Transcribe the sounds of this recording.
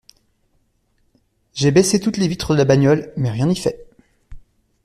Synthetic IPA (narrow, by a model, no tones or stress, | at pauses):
ʒebeset̪ut̪levit̪χəd̪əlabaɲjɔlmɛʁjɛ̃nifɛ